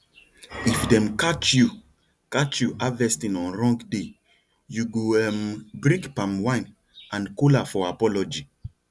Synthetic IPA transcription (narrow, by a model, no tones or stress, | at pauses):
ifdɛ̃mkat͡ʃju | kat͡ʃjuʔavɛstĩnɔ̃nɹɔ̃ŋɡde | juɡoɛmbɹĩkpãmwãj̃n | ãnkolafɔapɔlɔd͡ʒi